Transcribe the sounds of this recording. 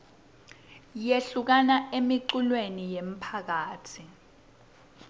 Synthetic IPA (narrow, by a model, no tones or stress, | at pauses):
jeɬuk̬anaemiǃulwenijem̩pʰak̬aːtʰi